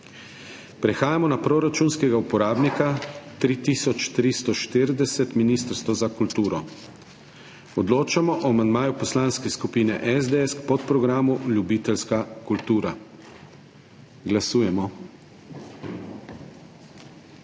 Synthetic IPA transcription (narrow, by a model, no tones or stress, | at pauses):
pɾɛxaːjamɔnapɾoɾat͡ʃunskɛɡaupɔɾaːbnikat̪ɾiːt̪isɔt͡ʃt̪ɾist̪ɔʃt̪iɾd̪ɛsɛt̪minist̪əɾst̪ʋɔzakult̪uːɾɔ | ɔd̪loːt͡ʃamɔʔɔamand̪maːjupɔslaːnskɛskupiːnɛ̰ʔɛzd̪eɛskpɔt̪pɾɔɡɾaːmuljubiːt̪ɛlskakult̪uːɾa | ɡlasuːjɛmɔ